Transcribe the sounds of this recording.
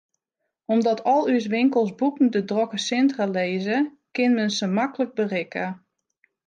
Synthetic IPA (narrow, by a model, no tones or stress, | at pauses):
ɔmdɔtʰɔlˠys̬ʋɪŋkəlˠsbukn̩dədrokəsɪntraleːzə | kɪnmənsəmakələk̚bərɪkə